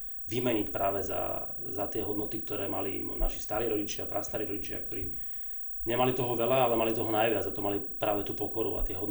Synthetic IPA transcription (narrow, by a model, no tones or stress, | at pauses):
ʋimɛɲicpɾaːʋɛza̰zat̪ɪɛɦɔd̪nɔt̪ikt̪ɔɾɛːmalḭnaʃi̥st̪aːɾiːɾɔɟit͡ʃɪapɾʔast̪aːɾiːɾɔɟit͡ʃɪa̰k̚t̪ɔɾiː | ɲɛmalit̪ɔɦɔʋɛlaalɛmalit̪ɔɦɔnajʋɪad͡zat̪ɔmalipɾaːʋɛt̪uːpɔkɔɾṵa̰t̪ɪɛɦɔd̪